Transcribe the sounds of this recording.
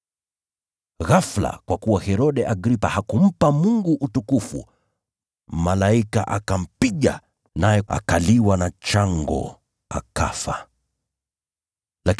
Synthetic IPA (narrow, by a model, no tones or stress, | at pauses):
ɣafla̰kwakuwahɛɾɔɗɛʔaɡɾipahakum̩pamuŋɡuʔːtukufṵ | malaika̰ʔakam̩piʄa̰ | najɛa̰kaliwanat͡ʃaŋɡɔ̰ | aka̰fa | la